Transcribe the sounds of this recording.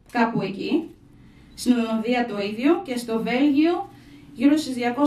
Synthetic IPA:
kɐpue̞ci | st̪inðononðiɐt̪o̞iðʝo̞ce̞st̪o̞ve̞lʝio̞ʝiɾost̪izðʝɐko̞

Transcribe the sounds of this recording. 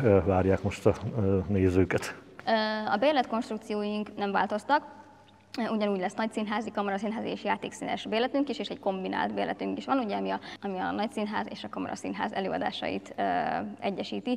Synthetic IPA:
ʋaːɾjaːkmo̞ʃt̪ɒneːzøːkɛt̪ | øɒ̰beːrlɛt̪ko̞nʃt̪ɾukt̪sijoːjiŋknɛɱvaːlt̪o̞st̪ɒk | uɟɒnuːɟʲlɛsnɒc̚sinɦaːzikɒmɔɾɒsinɦaːzieːʃjaːt̪eːksiːnɛ̰ʃbeːlɛt̪yŋkiʃeːʃɛɟko̞mbina̰ːlt̪beːrlʔɛ̰t̪yŋkiʃʋɒnuɟɛɒmiɒɒmiɒ̰nɒcsinɦaːzḛːʃɒkɒmɔ̰ɾʔɒ̰sinɦa̰ːzɛløːɒd̪a̰ːʃɒ̰jḭt̪øɛɟːɛʃiːt̪i

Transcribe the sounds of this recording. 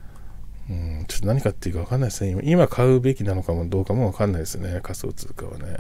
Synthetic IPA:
ɯ̟̃ːt͡ɕo̞t̪ːonaɲ̟ikat̪ːeiɯ̟kaβakanːaisesɨneima̰ʔimakʰaɯ̟be̞kʲinano̞kamod̪o̞ːkamo̞βakanːaid̪sɨne̞kaso̰ːt͡sɨ̰ːkaβa̰nḛ

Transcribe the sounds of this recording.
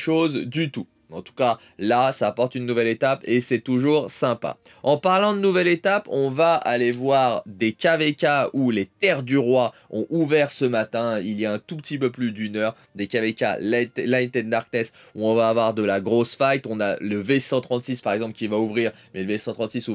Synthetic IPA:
ʃozd̪yt̪u | ɑ̃t̪u̥ka | lasaːpɔʁt̪ynːuvɛlet̪apesɛt̪uʒuʁsɛ̃pa̰ | ɑ̃paʁlɑ̃d̪ənuvɛlet̪apɔ̃vaalevwaʁd̪ekʲavekʲaulet̪ɛʁd̪yʁwaɔ̰̃ʔuvɛʁsəmat̪ɛ̃iljaɛ̃t̪upət̪ipøplyd̪ynœʁ | d̪ekavekʲa̰llajt̪ɛd̪d̪aʁknɛs | uɔ̃vaːvwaʁd̪əlaɡʁosfajt̪ɔ̃na̰ləvesɑ̃t̪χɑ̃t̪sispaʁɛɡzɑ̃plkʲivauvʁiːʁ | mɛləvesɑ̃t̪χɑ̃t̪sisu

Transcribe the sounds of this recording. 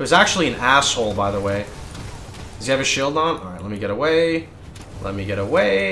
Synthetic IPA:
ɨzæk̚t͡ʃul̩ˠiɨ̃næshoʊlˠbaɪðəweɪ | d̥ʌzjɨɨvɨʃilˠdn̩ɑɹaɪtˡlɛt̚miɡɛɾəweɪ | lɛ̰t̚miɡɛɾəweɪ

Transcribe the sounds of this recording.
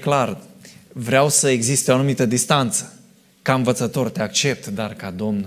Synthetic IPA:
klar | vɾeawsəe̞ɡzist̪eoanumit̪əd̪ist̪ant̪sə̥ | kaɨnvət̪sət̪o̞rt̪e̞akt͡ʃe̞p̚t̪d̪arkad̪o̞mn

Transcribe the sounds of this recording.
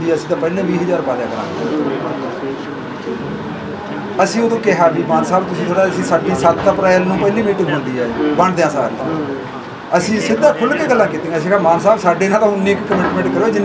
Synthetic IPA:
d̪iːɛːəsĩːt̪ãːpəɦlẽːbiːɦəd͡ʒaːɾpaːd̪ã̰ːkəɾa̰ːnː | əsĩːoːd̪õːkɪɦaːbiːmaːnsaːbt̪ʊsĩːt̪od̪aːəsĩːsaːɖiːsət̪ːaːpɾaːɪlnũːpəɦliːmiːʈɪ̃ŋɡɦʊ̃nd̪iːaːbəɳd̪eãːsa̰ːɾt̪ãː | əsĩːsɪd̪aːkʰʊlkeːɡəlːãːkiːt̪ẽːɡəs̬ĩːkãːmaːnsaːbsaːɖeːnãːt̪ãːnːiːkkəmɪʈmẽɳʈkəɾoːeːd͡ʒɪn

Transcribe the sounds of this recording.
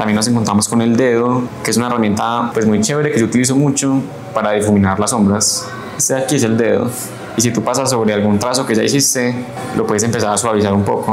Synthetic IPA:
t̪ambjenos̬e̞ŋkont̪ɾamo̞sko̞ne̞ld̪eðokees̬unaeramjent̪apwe̞smujt͡ʃeβeɾeke̞ʝout̪ilis̬o̞mut͡ʃo̞ | paɾaðifumĩnaɾlaso̞mbɾas | seakies̬e̞ld̪e̞ðo̰ | isit̪upasasːo̞βɾealɡunt̪ɾaso̞ke̞ʝaisist̪e̞ | lʔopweðese̞mpe̞s̬aɾasuaβis̬aɾumpo̞̰ko

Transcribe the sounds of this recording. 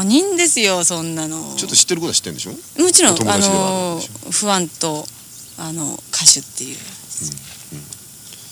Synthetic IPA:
oɲ̟ĩnd̪e̞sɨjosõ̞nːanot͡ɕot̪ːoɕi̥t̪ːe̞ɾɯkooɕi̥t̪ːẽd̪eɕomot͡ɕiɾõ̞ŋoano | ɸɯ̟βãnt̪o̞ | ano̰kʰaɕɨt̪ːe̞jɯ̰̃

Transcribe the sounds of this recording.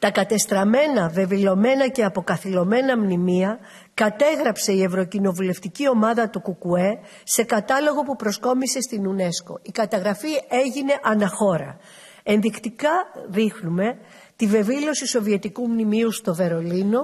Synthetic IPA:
t̪ɐkɐt̪e̞st̪ɾɐme̞nɐve̞vilo̞me̞nɐce̞ɐpo̞kɐθilo̞me̞nɐmnimiɐ | kɐt̪e̞ɣɾɐpse̞ie̞vɾo̞cino̞vule̞ft̪icio̞mɐðɐt̪ukukue̞ | se̞kɐt̪ɐlo̞ɣo̞pupɾo̞sko̞mise̞st̪inune̞sko̞̰ikɐt̪ɐɣɾɐfie̞ʝine̞ʔɐnɐxo̞ɾɐ̰ | e̞nðikt̪ikɐðixnume̞ | t̪ive̞vilo̞siso̞vie̞t̪ikumnimiust̪o̞ve̞ɾo̞lino̞

